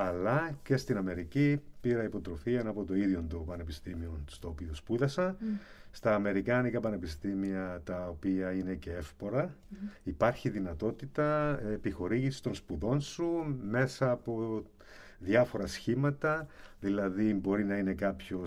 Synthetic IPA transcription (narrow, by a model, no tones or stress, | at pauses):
ɐlɐce̞st̪inɐme̞ɾicipiɾɐipo̞t̪ɾo̞fienɐpo̞t̪o̞iðjo̞nd̪opɐne̞pist̪imio̞nst̪oːpiospuðɐsɐ | st̪ɐːme̞ɾikɐnikɐpɐne̞pist̪imiɐt̪ɐopiɐine̞ce̞e̞fpo̞ɾɐ | ipɐɾçiðinɐt̪o̞t̪it̪ɐepixo̞ɾiʝisist̪o̞nspuðo̞nsume̞sɐːpo̞ | ðjɐfo̞ɾɐsçimɐt̪ɐðilɐðibo̞ɾinɐine̞kɐpço̞